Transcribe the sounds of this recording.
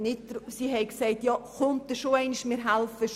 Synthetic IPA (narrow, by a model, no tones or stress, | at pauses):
nɪt̚d̥ɾsiɦɛɪksɛɪtjɑːχʊnt̪̚dəʃoɛɪniʃmɪɾɦælfəʃ